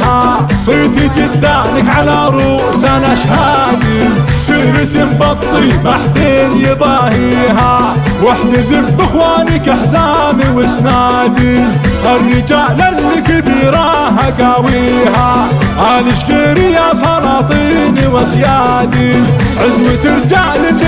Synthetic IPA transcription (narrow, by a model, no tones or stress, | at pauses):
a | sˤiːt̪id͡ʒ̪ɪd̪ːalɪkʕalaɾˤuː | sanaʃhaː | d̪isˤiːɾt̪imbɑt̪ˤːimaħt̪eːd̪jɪbˤahiːɦa | wɪħnɪzɪmbɪxwaːnikaħzaːmiwɪsnaːd̪iʔarːid͡ʒaʕlanːikɪbiːɾa | ɦaɡawiːɦaʔaːlɪʃɡiːɾijasˤɑɾɑːt̪ˤiːniwasjaː | d̪iʕɪzmit̪ɪɾd͡ʒaʕlɪk